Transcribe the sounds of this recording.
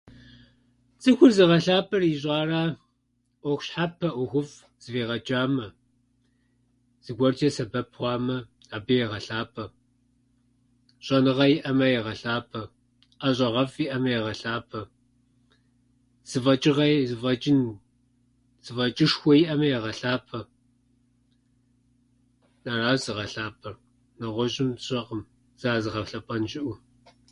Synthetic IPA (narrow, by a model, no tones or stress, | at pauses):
t͡sʼɨxʷʊrzɨʁɐɬaːpʰʼɐriʑʼɑːraː | ʔʷɔxʷɕħapʰːɐʔʷʊxʷʊf | z̥ɨveːʁɐt͡ʃʼaːmɐ | z̥ɨɡʷɔrt͡ʃʼɐsɐbɐpʰwʷɑːmɐ | aːbɐjɛʁɐɬaːpʰʼɐ | ɕʼɐnɨʁɐjɪʔɐmɐjɛʁɐɬaːpʰɐ | ʔɐɕ̬ʼɐʁɐfjiʔɐmɐjɛʁɐɬaːpʰɐ | z̥ɨvɐt͡ʃʼɪʁɐzɨvɐt͡ʃʼɪn | z̥ɨvɐt͡ʃʼɪʂxʷɔjiʔɐmɐjɛʁɐɬaːpʰɐ | nɐraːzɨʁɐɬaːpʰɐr | nɐʁʷɔʑɪmɕʼɐqəm | z̥aːzɨʁɐfɬɐpʷʼɐnʒɪʔʷʊ